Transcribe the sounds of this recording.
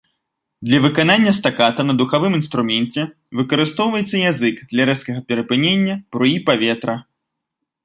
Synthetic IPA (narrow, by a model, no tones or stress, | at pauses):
d̪lʲɐvɨkananʲːɐst̪akat̪ɐnɐd̪uxavɨminst̪ɾumʲɛnʲt͡sʲɛ | vɨkɐɾɨst̪ɔwvɐjɛt̪sːɐjazɨkd̪lʲaɾɛskɐɣɐpʲɛɾɐpɨnʲenʲːɐb̥ɾuipavʲɛt̪ɾɐ